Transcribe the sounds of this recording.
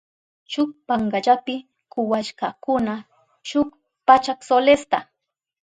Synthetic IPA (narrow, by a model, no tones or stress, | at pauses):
ʃʊk̚paŋɢaʎapɪ | kʊwaʃkakʊna | ʃʊk | pat͡ʃaksolest̪a